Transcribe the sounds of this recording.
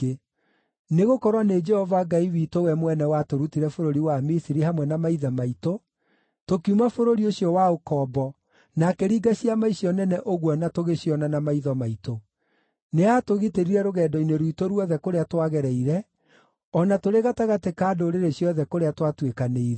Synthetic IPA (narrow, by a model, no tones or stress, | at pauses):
neɣokɔɾwaned͡ʒɛhɔvaɡaiwitowɛmwɛnɛwatoɾutiɾɛfoɾoɾiwamisiɾihamwɛnamaiðamaito | tokiumafoɾoɾioɕjɔwaokɔːbɔ | nakɛɾiːɡaɕjamaisijɔnɛnɛʔoɣwɔnatoɣeɕjɔnanamaiðɔmaito | neatoɣiteɾiɾɛɾoɣɛːdɔineɾwitoɾwɔðɛkoɾeatwaɣɛɾɛiɾɛ | ɔnatoɾeɣataɣatekaːdoɾeɾeɕjɔðɛkoɾeatwatwekaneiɾɛ